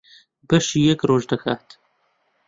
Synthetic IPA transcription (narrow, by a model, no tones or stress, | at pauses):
bɐʃiːjɛkroːʒd̪ɐxaːt̪